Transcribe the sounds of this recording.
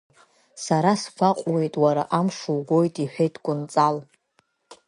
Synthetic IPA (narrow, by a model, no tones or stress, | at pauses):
saɾasfʰʷaqʷʼwe̞jtʼwaɾa̰ʔamʂuwɡʷojtʼiħʷᶣejtʼʰkʷʼʊnt͡sʼal